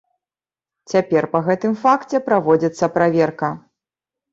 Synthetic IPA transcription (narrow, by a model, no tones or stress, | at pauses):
t͡sʲapʲɛrpɐɣɛt̪ɨmfakt͡sʲɛpɾavɔd͡zʲit̪sːɐpɾavʲɛrkɐ